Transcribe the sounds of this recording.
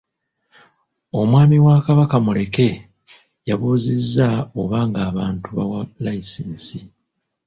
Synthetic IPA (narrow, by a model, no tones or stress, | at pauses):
o̞mwaːmiwaːkaβakamule̞ke̞ | jaβuːzezːaoβaːŋɡaːβaːntuβa̰walaiseːnsi